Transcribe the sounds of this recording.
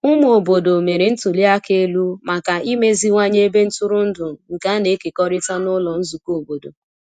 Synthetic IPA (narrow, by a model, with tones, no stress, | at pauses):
ʊ˦m˦o˨bo˨do˨me˨ɾe˨n̩˦tʊ˨li˦a˦ke˦lu˦ma˨ka˨ʔi˦me˦zi˦ŋʷa˦ɲe˦be˦n̩˦tʊ˦ɾʊ˦n̩˦dʊ˨ŋ̩˨ŋ̩˨ka˦ne˨˦ke˨kɔ˦ɾɪ˦ta˦nʊ˦lɔ˨n̩˦zu˨ko˨bo˨do̰˨